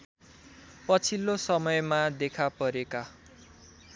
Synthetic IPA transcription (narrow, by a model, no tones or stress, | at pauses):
pʌt͡sʰilːosʌmʌjmad̪ekʰapʌɾeka